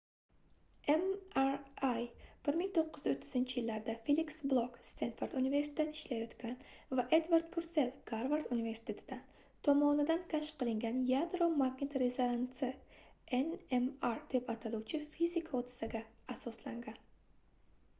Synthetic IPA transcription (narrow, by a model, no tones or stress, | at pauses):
emaɾajb̥ɪɾmɪŋt̪ʰoqːɨzot̪ʰːɪzɪnt͡ʃʰɪjɪlːaɾd̪afeliksblˠokst̪enfoɾd̪unive̞ɾsɪ̥t̪ʰʲet̪ɪ̥ʃlajɒt̪kʲʰanvaʔe̞d̪vaɾd̪pʰʊɾt̪se̞lɡ̥aɾvaɾd̪unive̞ɾsɪ̥t̪ʰe̞t̪ʰɪd̪̥an | t̪ʰɒmɒnɪd̪ankʰʲaʃqɨlˠɪŋɡʲanjad̪ɾomaɡnet̪ɾezoɾansɪenemaɾd̪̥e̞pat̪ʰaluwt͡ʃʰɪfizɪkʰaod̪ɪ̥saɡʲaːsɒslaŋɡʲan